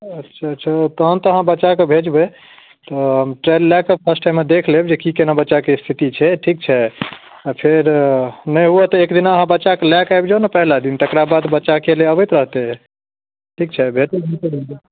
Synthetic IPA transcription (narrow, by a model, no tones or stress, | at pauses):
ətːʃʰaətːʃʰat̪əɦənt̪ɔəɦãbətːt͡ʃakebʱed͡ʒbe | t̪ɔɦəmʈɾɛllɛkəpʰəsʈaɪmːed̪ekʰlebd͡ʒekikenabətːt͡ʃːakest̪ʰit̪it͡ʃʰɛʈʰik̚t͡ʃʰɛ | apʰeɾnəjɦuɛt̪ɔekd̪inaəɦãbətːt͡ʃːakelɛkajbd͡ʒanəpəɦlad̪int̪ekɾabad̪bətːt͡ʃakeleəbəjt̪ɾəɦt̪eɦɛ | ʈʰikt͡ʃʰɛbʱet̪ebʱit̪bee